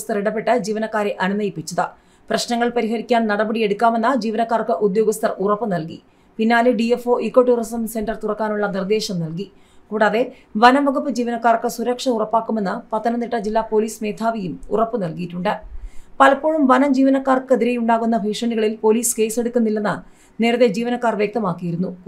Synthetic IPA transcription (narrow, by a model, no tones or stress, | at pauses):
st̪ɐriɽɐp̬ːe̞ʈːɐd͡ʑiːʋɐnɐkːaːɾeʔɐnumɐjipːit͡ɕːɐðɨ | prɐɕnɐŋːɐɭpɐɾiɦɐɾikʲːaːnnɐɽɐbɐɽije̞ɽukːaːme̞nːɐd͡ʑiːʋɐnɐkːaːrkːɨʔud̪jo̞ːɡɐst̪ɐrurɐpːɨnɐlki | pinːaːlɨɖiefo̞ːʔikːo̞ʈːuːrɐsɐnse̞ndɐrt̪urɐkːaːnuɭːɐnird̪e̞ːɕɐmnɐlki | kuːɽaːðe̞ | ʋɐnɐmʋɐɣupːɨd͡ʑiːʋɐnɐkːaːrkːɨsuɾɐkʂɐurɐpːaːkːume̞nːɐpɐt̪ːɐnɐnːiʈːɐd͡ʑilːaːpo̞ːliːsme̞ːt̪ʰaːʋijumṵrɐpːɨnɐlkijitːuɳɖɨpɐlɐpːoːɻumʋɐnɐmd͡ʑiːʋɐnɐkːaːrkɨeðiɾejuɳɖaːɣunːɐbʱiːʂɐɳiɣɐɭilpo̞ːliːske̞ːse̞ɽukːunːilːenːɐ | ne̞ːɾɐðed͡ʑiːʋɐnɐkːaːrʋjɐk̚t̪ɐmaːkːijiɾunːu